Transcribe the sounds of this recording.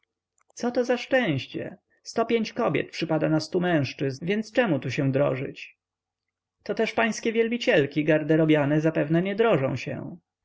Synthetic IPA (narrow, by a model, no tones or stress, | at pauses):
t̪sɔt̪ɔzaʂt͡ʂɛ̃w̃ɕt͡ɕɛ̰ | st̪ɔpʲjeɲt͡ɕkɔbʲjɛ̰t̪̚pʂɘpad̪anast̪umɛ̃w̃ʂt͡ʂɘzvʲjɛnt̪st͡ʂɛmut̪uɕɛd̪ɾɔ̰ʐɘ̰t͡ɕ | t̪ɔt̪ɛʂpaj̃skʲɛvʲjɛlbʲit͡ɕɛlkʲiɡaɾd̪ɛɾɔbʲjanɛzapɛvnɛɲɛd̪ɾɔʐɔ̃w̃ɕɛ̰